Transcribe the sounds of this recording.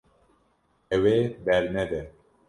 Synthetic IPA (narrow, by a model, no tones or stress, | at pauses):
ɛwebɛɾnɛd̪ɛ